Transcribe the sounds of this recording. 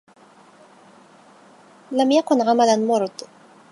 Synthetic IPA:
lamjakʊnɣamalanmʊɾd̪ˤ

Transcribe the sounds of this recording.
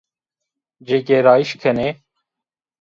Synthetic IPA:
d͡ʒeːkeːɾaːiʃkʰɐneː

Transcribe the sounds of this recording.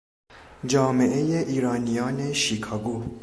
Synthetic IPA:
d͡ʒɑːmeʔejeʔiːɾɑːnijɑːneʃiːkʰɑːɡuː

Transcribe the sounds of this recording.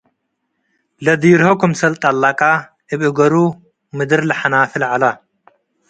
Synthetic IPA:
lɐd̪iɾhokʰumsɐlt̪ʼalːakʼa | ʔɨβʔɨɡɐɾu | mɨd̪ɨɾlɨħanaːfɨlʕala

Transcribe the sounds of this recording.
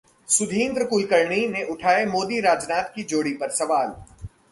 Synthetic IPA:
sʊd̪ʱĩːnd̪ɾəkʊlkəɾɳineʔʊʈʰaːemoːd̪iɾaːd͡ʒnaːt̪kid͡ʒoːɽipɐɾsɐʋaːl

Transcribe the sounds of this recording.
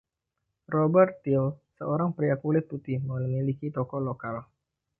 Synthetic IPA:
rɔbɛrt̪ːɪlsəoɾaŋpɾiakulɪt̪̚put̪ɪhmələmilikit̪ɔkɔlokal

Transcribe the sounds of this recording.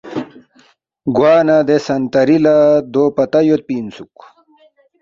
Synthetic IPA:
ɡwaːnad̪esɐnt̪ɐɾilad̪oːpɐt̪ɐjot̪̚piːnsuk

